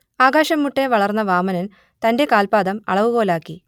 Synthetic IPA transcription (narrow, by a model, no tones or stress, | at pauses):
aːɡaːɕɐmːuʈːe̞ʋɐɭɐrnːɐʋaːmɐnɐn | t̪ɐnde̞kaːlpaːd̪ɐmɐ̰ɭɐʋuɣoːlaːkːi